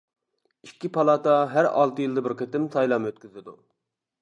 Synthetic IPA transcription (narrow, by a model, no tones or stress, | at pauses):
ikʲːipʰɑlˠɑːt̪ɑɦæɾɑ̰lˠt̪ɨjilˠd̪ɨbɪɾqʰet̪ɪmsɑjlˠɑmøt̪̚kʲyzɪd̪u